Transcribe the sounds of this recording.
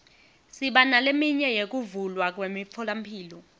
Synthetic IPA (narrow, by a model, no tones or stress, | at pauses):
siɓanalemiɲɛjek̬uvulwak̬wemifʰɔlam̩pʰiːlɔ